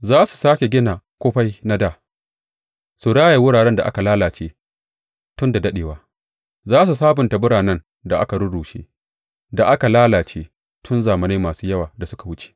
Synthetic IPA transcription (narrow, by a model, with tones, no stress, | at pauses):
zaː˦su̥˨saː˦kʲe˨ɡʲɪ˦naː˨kʷoː˦ɸa˦jna˦daː˨ | su˨ɽaː˦ja˨wʊ˦ɽaː˨ɽɛ˦nda˨ʔa̰˦ka˨laː˦laː˨t͡ʃeː˦ | tʊ˦nda˨dɐ˦ɗeː˨waː˨ | zaː˦s̬u˨s̬aː˦bʊ˨nta˨bʊ˦ɽaː˨nɐ˦n | da˨ʔa̰˦ka˨ɽʊ˦ɽuː˨ʃḛ˦ | da˨ʔa˦ka˨laː˦laː˨t͡ʃeː˦ | tʰʊ˦nzaː˨mɐ˨neː˦maː˨suː˦jɐ˦waː˨da˨sʊ˦ka˨wʊ˦t͡ʃe̥ː˨